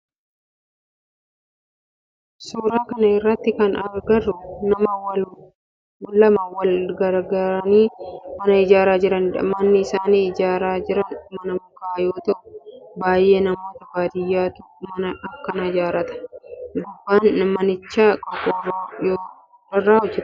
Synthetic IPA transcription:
suːɾaːkɐnɐɪrːɐt̪ːɪkɐnɐɾɡɐrːʊnɐmɐwɐl | wʊlːɐmɐwɐlɡɐɾɡɐɾɐniːmɐnɐɪd͡ʒaːɾaːd͡ʒɪɾɐnɐ̰mɐnːɪɪsaːniːɪd͡ʒaːɾaːd͡ʒɪɾɐnmɐnɐmʊkaːʔjo̞ːt̪ɐʔʊbaːjʔe̞ːnɐmo̞ːt̪ɐbaːd̪ɪjːaːt̪ʊmmɐnɐʔɐkːɐnɪd͡ʒaːɾɐt̪ɐ̥ɡ̪ʊbːaːnmɐnɪt͡ʃːaːkʼɐkʼoːbaːjoː | ɾɐrːaːʊd͡ʒɛ

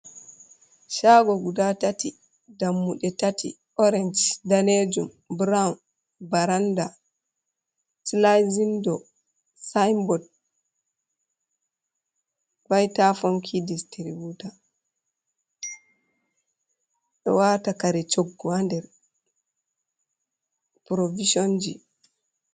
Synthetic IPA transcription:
ʃaɡɔɡudatati | damːuɗɛtatʰḭ | ʔɔɾɛnd͡ʒdaned͡ʒum | bɾaun | baɾanda | slazindɔ | sajmbɔd̚ | vajtafɔŋkʰidistiɾibuta | ɗɔ̰watakaɾɛt͡ʃoɡːɔandɛɾ | pɾoviʃond͡ʒḭ

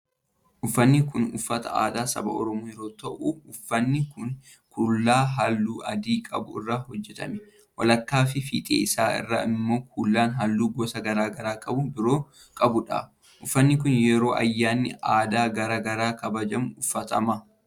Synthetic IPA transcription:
ʔʊfːɐnːɪkʊnʊ̰fːɐt̪ɐ̰a̰ːd̪aːsɐ̰bɐ̰ʔɔ̰ɾɔmoːjɛɾo̞ːt̪ɐʔuʊfːɐnːɪkʊn | kʰʊlːaːɦɐlːuːʔɐd̪iːkʼɐ̰bʊɪrːahɔd͡ʒːɛt̪ɐ̰mɛ | wɐlɐkːaːfɪfḭːt̪ʼḛːsaːɪ̰rːa̰ɪmːo̞ːk̚ʰʊlːaːnɦɐlːuːɡɔsɐɡɐɾaːɡɐɾaːkʼɐbʊbɪɾoː | kʼɐbʊᶑa̰ː | ʔʊfːɐnːɪkʊnjɛɾo̞ːʔɐ̰jːaːnːɪ̰aːd̪aːɡɐɾaːɡɐɾaːkɐbɐd͡ʒɐmʊʊfːɐt̪ʰɐ̰mɐ

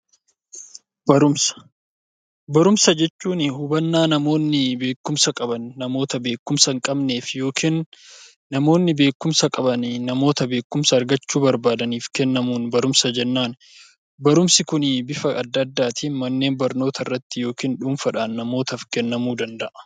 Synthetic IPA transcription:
bɐɾʊms | bɐɾʊmsɐd͡ʒɛt͡ʃːuːnɪhʊbɐnːaːnɐmo̞ːnːɪbe̞ːkːʊmsɐkʼɐbɐnːɐmo̞ːt̪ɐbe̞ːkːʊmsɐŋkʼɐbne̞ːfjo̞ːkʰiːnː | ɐmo̞ːnːɪbe̞ːkːʊmsɐkʼɐbɐnnɐmo̞ːt̪ɐbe̞ːkːʊmsɐːɾɡɐt͡ʃːuːbɐɾbaːd̪ɐniːfkɛnːɐmuːnbɐɾʊmsɐd͡ʒɛnːaːn | bɐɾʊmsɪkʊnbɪfɐʔɐd̪ːɐd̪ːaːt̪ʰiːmɐnːe̞ːnbɐɾno̞ːt̪ʰɐɪrːɐt̪ːɪjo̞ːkiːnᶑʊnfɐᶑaːnːɐmo̞ːt̪ɐfkɛnːɐmuːd̪ɐnd̪ɐʔɐ̥

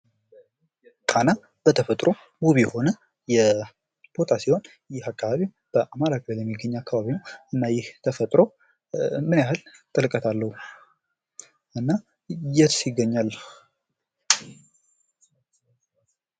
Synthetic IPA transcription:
kʼana | b̥ət̪ʰəfət̪ʼɾʔo̞ | muβijɛho̞nə | jɛ | b̥o̞t̪ʰasiho̞n | jɪhakːaβaβi | b̥əʔamaɾakʼəβəlɛmːiɡːəɲːakʰːaβaβinəwɨnːajɪht̪ʰəfət̪ʼɾo̞ | mɨnjahɨlt̪ʼɨlkʼət̪ʰalːəhu | ʔɨnːa | jɛt̪sjɪɡːəɲːal

